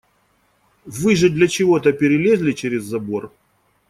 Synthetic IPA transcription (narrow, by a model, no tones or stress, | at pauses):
vɨʐɨd̪lʲɐt͡ɕɪvo̞t̪əpʲɪɾʲɪlʲezʲlʲɪt͡ɕeɾʲɪzːɐbo̞r